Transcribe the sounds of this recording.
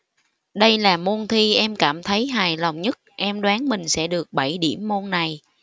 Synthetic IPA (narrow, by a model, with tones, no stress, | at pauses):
ɗə˧jlaː˨˩mo˧nt̪ʰi˧ʔɛ˧mkaː˧˩mt̪ʰə˨˦jɦaː˨˩jlə˨˩wŋ͡mɲə˦˥t̚ʔɛ˧mɗwaː˨˦nmï˨˩ŋ̟sɛ̰˧˥ɗɨ˨˩ək̚ɓa˧˩jɗḭ˧˩əmːo˧nːa˨˩j